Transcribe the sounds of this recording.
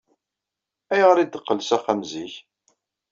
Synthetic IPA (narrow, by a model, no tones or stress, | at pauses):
æjʁəɾid̪əqːəlsæχæmziç